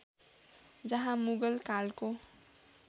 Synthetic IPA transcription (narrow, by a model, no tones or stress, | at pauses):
d͡zʌɦãmuɡʌlkalko